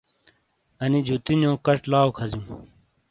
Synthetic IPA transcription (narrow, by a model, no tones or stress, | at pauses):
ɐnid͡ʑʱut̪injõːkɐʈlaːokʰɐzjũː